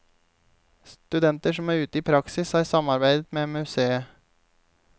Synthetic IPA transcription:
st̪ʉd̪ɛnt̪əʃɔmæːɾʉːt̪əiːpʰɾɑksɪshɑːɾsɑmɑɾbæɪd̪ət̪meːmʉseːə

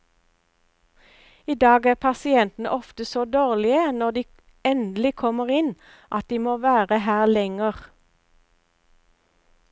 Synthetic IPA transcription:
iːd̪ɑːɡæːʁpʰɑsɪɛnt̪n̩ə̰ʔɔft̪əsoːd̪oːʁlɪənɔʁd̪iː | ɛnd̪l̩ɪkʰɔməʁɪn | ʔɑt̪̚d̪iːmoːʋæːʁəhæːʁlɛŋəʁ

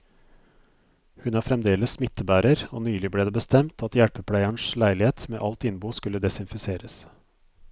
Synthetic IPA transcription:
hʉnʋɑːɾfɾɛmd̪eːləssmɪt̪ːəbæːɾəɾo̰ːnyːlɪbleːd̪eːbəst̪ɛmt̪ʰɑt̪jæɽpəpʰɽæɪæɳslæɪlɪheːt̪mḛːʔɑlt̪ɪnbuːskʉlːəd̪ɛsɪnfɪseːɾəs

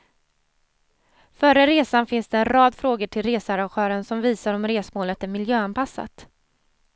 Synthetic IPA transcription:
fœɾəɾeːsanfɪnsd̪ɛɛnɾɑːd̪fɾoːɡəʈʰɪlɾeːsaɾaɧœːɾənsɔmviːsaɾɔmɾeːsmoːlət̪æɾmɪljøːanpasːa̰t̪

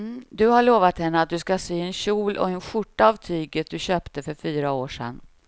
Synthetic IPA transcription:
d̪ɵhaɭoːvat̪hɛnːəat̪̚d̪ɵskaseːɛnɕuːlʔɔ̰ɛnɧʊʈːaːvt̪ʰyːɡət̪̚d̪ɵɕøːpt̪əfœɾfyːɾaoːʂɛ̰nː

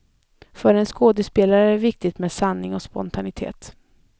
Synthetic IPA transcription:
fœɾɛnskoːd̪ɛspeːlaɾəæɾvɪk̚t̪ɪt̪meːd̪sanːɪŋɔspɔ̰nt̪ʰanɪt̪ʰḛːt̪

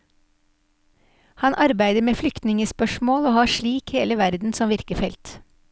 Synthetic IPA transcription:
hɑnʔɑɾbæɪd̪əmeːflʏkt̪nɪŋəspœʃmoːloːhɑːʃɭiːkheːləʋæɾd̪n̩sɔmʋɪɾkəfɛlt̪

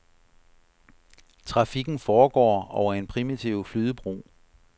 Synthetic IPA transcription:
t͡sʰʁɑ̈fiɡ̥n̩fɒːɡ̥ɒ̰ːɒʊɐe̝npʰʁimit͡sʰiʊ̰flyːðˠəb̥ʁṵː

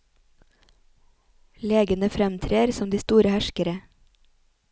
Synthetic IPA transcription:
leːɡənəfɾɛmt̪ʰɾeːɾsɔmd̪iːst̪uːɾəhæʃkəɾə

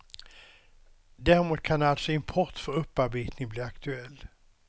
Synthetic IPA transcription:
d̪æːɾɪmuːt̪̚kʰanalt̪sɔɪmpʰɔʈ̪ːfœɾɵpːaɾbeːt̪nɪŋbliːakt̪ʰɵɛlː

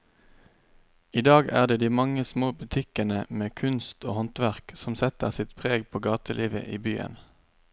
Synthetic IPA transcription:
iːd̪ɑːɡæ̰ːʁd̪eːd̪iːmɑŋəsmoːbʉt̪ʰɪkənəmeːkʰʉnst̪oːhɔnt̪ʋæʁksɔmsɛt̪əʁsɪt̪pʰʁeːɡpʰoːɡɑːt̪əlʔiːʋə̰ʔiːbyːə̰n

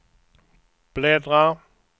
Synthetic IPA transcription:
b̥lɛdʁa

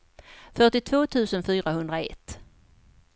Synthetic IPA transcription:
fœʈɪt̪ʰv̥oːt̪ʰʉ̟ːsənfyːɾahɵnd̪ɾaɛ̰t̪ː

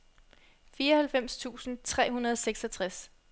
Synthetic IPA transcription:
fiːɐʌhælfem̰st͡sʰṵːsn̩t͡sʰʁɛ̰ːɦunɐð̞ˠseɡ̥sɒt͡sʰʁas

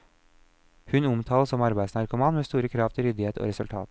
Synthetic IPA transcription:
hʉnʊmt̪ʰɑːləsɔmɑɾbæɪsnæːɾkʊmɑnmeːst̪uːɾəkʰɾɑft̪ʰəɾʏd̪ɪheːt̪ʰo̰ːɾɛsʉlt̪ʰɑ̰ːt̪

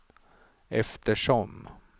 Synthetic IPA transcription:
ɛft̪əʂɔm

